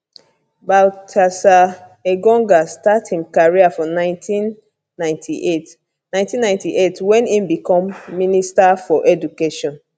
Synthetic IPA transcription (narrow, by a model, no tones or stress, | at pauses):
baltʰasa | eɡɔ̃ŋɡastathĩmkaɹiafɔnãɪ̃ntʰĩnː | ãɪ̃ntʰiʔet | nãɪj̃ntĩnːãɪ̃ntiʔetwɛ̃nĩmbikɔ̃mːinistafɔʔɛdukeʃɔ̃n